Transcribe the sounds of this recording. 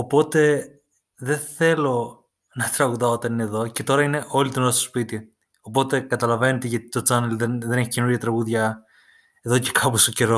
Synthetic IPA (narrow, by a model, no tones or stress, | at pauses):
o̞po̞t̪e̞ | ðe̞θe̞lo̞ | nɐt̪ɾɐɣuðɐot̪ɐnineðo̞ce̞t̪o̞ɾɐine̞ʔo̞lit̪ino̞ɾɐst̪spit̪i | o̞po̞t̪e̞kɐt̪ɐlɐve̞net̪eʝɐt̪i̥t̪o̞t͡sɐnelðenðe̞ne̞çice̞nuɾʝɐt̪ɾɐɣuðʝɐ | e̞ðo̞ce̞̥kʰɐpost̪oce̞ɾo̞